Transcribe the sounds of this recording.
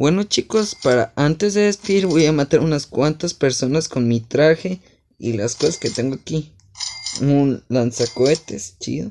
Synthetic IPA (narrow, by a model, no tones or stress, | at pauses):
wenot͡ʃikospaɾa̰ʔant̪ezðeðesp̪iɾbejamat̪aɾunaskʷwant̪aspeɾsonaskonmit̪ɾaxe | ḭlaskosasket̪eŋɡoaki | unlansakoet̪est͡ʃḭðo